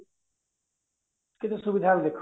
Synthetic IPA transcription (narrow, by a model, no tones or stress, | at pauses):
kɪt̪ʰesubid̪ʱabid̪ekʰ